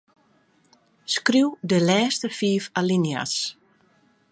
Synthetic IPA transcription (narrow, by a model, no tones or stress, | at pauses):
skriwdəlɛːstəfiːfalinja̰s